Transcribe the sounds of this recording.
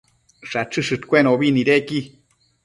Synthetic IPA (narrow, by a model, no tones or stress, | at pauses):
ʂaʈ͡ʂɨʂɨʈ̪kʷenoβiniɾeki